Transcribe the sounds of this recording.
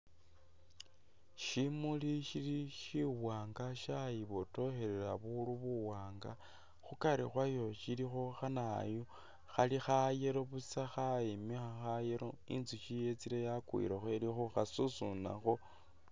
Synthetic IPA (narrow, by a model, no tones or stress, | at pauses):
ʃimuliʃiliʃiwaːŋɡaʃajiβoto̞xe̞ɾeɾaβuluβuwaːŋɡa | xukaɾixwajo̞ʃilixo̞xanajo | xalixajeɾoβusaxaimixaxajeɾoḭnt͡siʃijet͡silejakwḭɾaxwelixuxasusuna̰xo̞